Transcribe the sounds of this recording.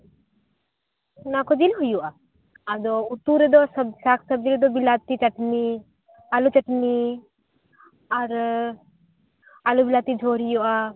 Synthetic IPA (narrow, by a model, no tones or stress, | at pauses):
nakɔd͡ʒilɦujuʔa | ad̪ɔut̪uɾed̪ɔsɐsakʰsɐb̚d͡ʒiɾed̪ɔbilaːt̪it͡ʃɐʈni | alut͡ʃɐʈni | ɐɾ | alubilaːt̪id͡ʒʱoːɾijuʔa